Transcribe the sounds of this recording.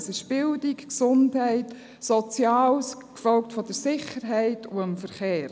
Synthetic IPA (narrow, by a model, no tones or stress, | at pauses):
sɪʃb̥ɪldikksʊndɦɛɪt | sɔt͡sjɑːwskfɔlk̚tfɔdəɾsɪχəɾɦɛɪtʰʊəmfəɾχeːɾ